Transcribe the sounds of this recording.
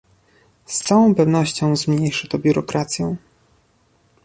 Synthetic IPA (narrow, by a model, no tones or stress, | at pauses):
st̪sawɔ̃w̃pɛvn̪ɔɕt͡ɕɔ̃w̃zmɲejʂɘt̪ɔbʲjuɾɔkɾat̪sʲjɔ̃w̃